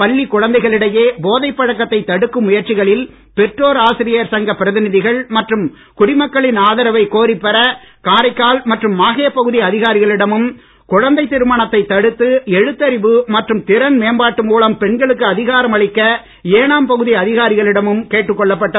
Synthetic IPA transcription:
pɐɭːikʊɻɐnd̪ɐɪɣɐɭɪɽɐjeːboːðɐɪpːɐɻɐkːɐt̪ːɐɪt̪ːɐɽɯkːɯmːʊjɐɾt͡ʃɪɣɐɭɪl | pɛʈroːɾaːsɪɾɪjɐɾsɐŋɡɐpːɪɾɐðɪnɪðɪɣɐɭmɐʈrɯm | kʊɽɪmɐkːɐɭɪnaːðɐɾɐʋɐɪkoːɾɪpːɛɾɐ | kaːɾɐɪkːaːlmɐʈrɯmːaːɣeːpːɐɣɯðɪɐðɪɣaːɾɪɣɐɭɪɽɐmɯm | kʊɻɐnd̪ɐɪt̪ːɪɾɯmaːɳɐt̪ːɐɪt̪ːɐɽɯt̪ːɯɛɻɯt̪ːɐɾɪʋɯmɐʈrɯmt̪ɪɾɐnmeːmbaːʈːɯmuːɭɐmpɛɳɡɐɭɯkːɯɐðɪɣaːɾɐmɐɭɪkːɐ | eːɳaːmpɐɣɯðɪɐðɪɣaːɾɪɣɐɭɪɽɐmɯmkeːʈːɯkːɔɭːɐpːɐʈːɐ

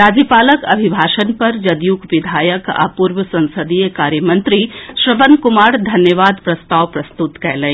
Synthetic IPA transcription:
ɾaːd͡ʒjəpaːləkɐ̰bʱibʱaːʃənpɐɾd͡ʒɐd̪juːkʋɪd̪ʱaːjəka̰ːpuɾʋəsɐ̃nsəd̪ijəkaːɾjəmɐ̃nt̪ɾiʃɾəbənkʊmaːɾd̪ʱɐnjəʋaːd̪pɾɐst̪aːʋpɾɐst̪ut̪kɛɦlẽ

